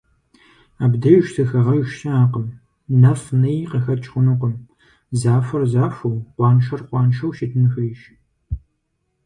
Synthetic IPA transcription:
aːbdɐjʃtʰɨxɐʁɐjʃsɐaːqɐm | nɐfnɐjqɐxɐt͡ʃʼχʷʊnɨqəm | zaːfɐrzaːfɐwqʷɑːnʃɐrqʷɑːnʃɐwʃɪtʰɨnɨxɐjʃ

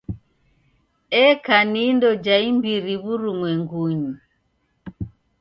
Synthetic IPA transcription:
ɛkanindɔd͡ʒaimbiɾiβuɾuŋwɛŋɡuɲi

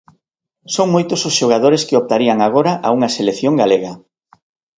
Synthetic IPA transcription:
soŋmojt̪ososʃoɣ̞aðoɾeskɪop̚t̪aɾiaŋaɣ̞oɾɐaʔauŋɐselekθjoŋɡaleɣɐ

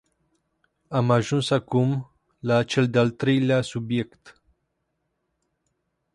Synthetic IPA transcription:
amaʒunsakum | lat͡ʃe̞ld̪ealt̪ɾe̞jleasubje̞kt̪

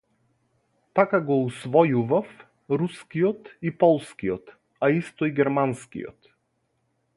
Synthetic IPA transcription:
t̪akaɡɔusvɔjuvaf | ɾuskijɔt̪ipɔlˠskiɔt̪ | aist̪ɔiɡɛɾmanskḭjɔ̰t̪

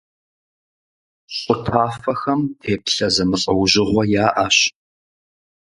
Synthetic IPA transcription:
qʷʼʊtʰaːfɐxɐmtʰeːpɬɐzɐmɨɕʼɐwʑɪʁʷɔjaːʔaːɕ

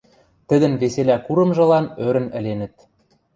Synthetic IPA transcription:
t̪ɘ̆d̪ɘ̆nβeselækuɾɤ̆mʒɤ̆lɑnøɾɘ̆nɘ̆lenɘ̆t̪̚

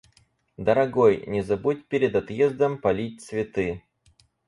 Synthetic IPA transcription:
d̪əɾɐɡojnʲɪzɐbutʲpʲeɾʲɪd̪ɐt̪jezd̪əmpɐlʲit̚ʲt̪svʲɪt̪ɨ

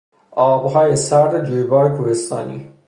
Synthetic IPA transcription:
ʔɒːbɦɒːjesæɾd̪ed͡ʒuːjbɒːjekʰuhest̪ɒ̰ːnḭː

